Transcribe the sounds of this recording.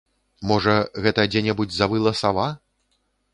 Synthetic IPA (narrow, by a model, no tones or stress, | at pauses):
mɔʐɐɣɛt̪ɐd͡zʲɛnʲɛbud͡zʲzɐvɨlˠɐsava